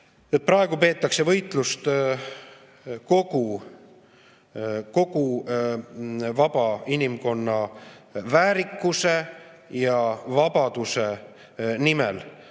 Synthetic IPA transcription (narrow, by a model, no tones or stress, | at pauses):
et̪̚pɾɑe̞ɡ̥upe̞ːt̪ːˑɑkse̞vɤjt̪ˑlust̪ | ko̞ɡ̥u | ko̞ɡ̥u | vɑb̥ɑinimko̞nːɑvæːɾikːˑuse̞jɑvɑbɑd̪̥use̞ | nimḛl